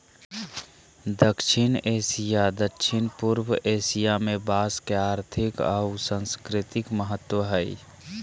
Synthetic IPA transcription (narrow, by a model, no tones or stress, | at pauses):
d̪əkʃɪneːsijad̪əkʃʰɪnpuɾwəʔeːsijamẽbaːskeaːɾt̪ʰɪka̰usə̃nskɾɪt̪ɪkməɦət̪wəɦəḭ